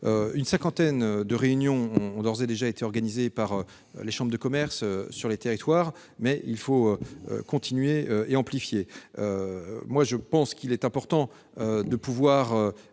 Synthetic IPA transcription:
øynsɛ̃kɑ̃t̪ɛnd̪əʁeynjɔ̃ɔ̃ːd̪ɔʁzed̪eʒaet̪eɔʁɡanizepaʁø̰ | leʃɑ̃bʁd̪əkɔmɛʁsøsyʁlet̪eʁit̪waːʁ | mɛʔilfoøø̰kɔ̃t̪ʰinɥeøeɑ̃plifjeømwaʒəpɑ̃skʲilɛt̪ɛ̃pɔʁt̪ɑ̃ | ød̪əpuvwaʁø

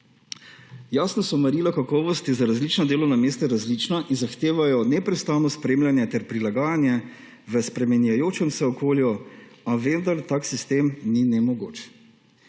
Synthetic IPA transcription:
jaːsnɔsɔmɛɾiːlakakɔːʋɔst̪jɛzaɾazlit͡ʃnɔd̪eːlɔwnameːst̪ɛɾazlit͡ʃnaʔinzaxt̪eːʋajɔnɛpɾɛst̪aːnɔspɾeːmljanjɛt̪ɛɾpɾilaɡaːjanjɛ | ʋəspɾɛmɛnjajoːt͡ʃɛmsɛɔkʰoːljɔaʋend̪aɾt̪aːksist̪eːmninɛmɔɡoːt͡ʃ

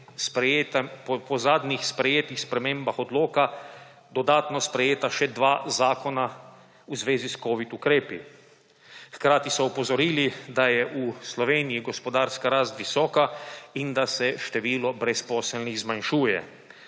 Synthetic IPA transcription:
spɾjet̪pɔzaːd̪nixspɾɛjeːt̪ixspɾɛmẽːmbaxɔd̪loːka | d̪ɔd̪aːt̪nɔspɾɛjeːt̪aʃɛd̪ʋaːzaːkɔna | uzʋeːziskoːʋit̪ukɾeːpi | xkɾaːt̪isɔupɔzɔɾiːlid̪ajɛʔuslɔʋeːnijiɡɔspɔd̪aːɾskaɾaːst̪ʋisɔːkaind̪asɛʃt̪ɛʋiːlɔbɾɛspɔːsɛlniɣzmanʃuːjɛ̰

